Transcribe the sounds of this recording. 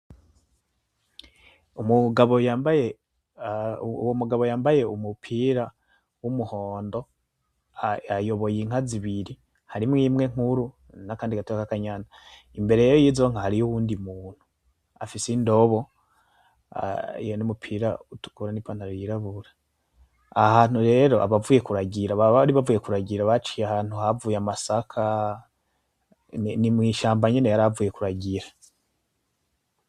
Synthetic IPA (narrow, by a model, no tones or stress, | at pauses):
umuɡaβojaːmbaje | womuɡaβo̞jaːmbaje̞umupʰiɾa | wumuho̞ːndo̞ | ajo̞βo̞jiŋ̥aziβiɾi | haɾimŋimwe̞ŋ̥uɾu | nakaːndikatuɾakakaɲana | imbe̞ɾejajojizo̞ŋahaɾijuwuːndimuːn̥u | a̰fisendo̞βo̞ | ḭjonumupʰiɾautu̥kuɾanipaːnaɾojiɾaβuɾḁ | ahaːn̥huɾe̞ɾo̞ʔa̰βavuje̞kuɾaɟiɾaβaβɾiβavuje̞kuɾaɟiɾaβat͡ʃijahaːn̥huhavuːjeamasakʰa | nimŋiːʃaːmbaɲene̞jaɾavuje̞kuɾaɟiɾa